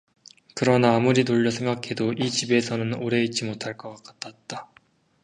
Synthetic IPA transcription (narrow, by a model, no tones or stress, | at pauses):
kɯɾʌnaːmuɾinoʎːʌsʰe̞ŋɡakʰe̞doʔit͡ɕibe̞sʰʌnɯnoɾe̞it̚t͡ɕ͈imotʰaɭk͈ʌk͈ak͈ḁt͈ʰat̚t͈a